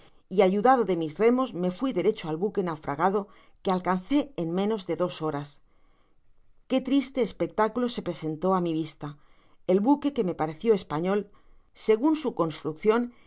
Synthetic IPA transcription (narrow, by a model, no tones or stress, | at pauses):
iaʝuðað̞o̞ðe̞mizre̞mo̞zme̞fwiðe̞ɾe̞t͡ʃoalβuke̞nawfɾa̰ɣ̞að̞o̞ | ke̞alkan̟θe̞ːnmẽ̞no̞zðe̞ðo̞so̞ɾas | ke̞t̪ɾist̪e̞ːspe̞k̚t̪akulo̞se̞pɾe̞se̞nt̪o̞amiβ̞ist̪a | e̞lβuke̞ke̞me̞paɾe̞θjo̞e̞spaɲo̞l | se̞ɣ̞unsuko̞nst̪ɾukθjo̞n